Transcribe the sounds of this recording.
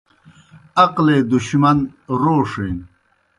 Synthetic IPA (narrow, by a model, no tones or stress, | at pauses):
ɐqled̪uɕmɐnɾoːʂen